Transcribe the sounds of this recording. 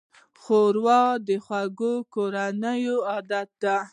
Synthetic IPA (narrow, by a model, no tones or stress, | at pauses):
xoɾwɑd̪əxwaɡokoɾanəjoɑd̪at̪̚d̪a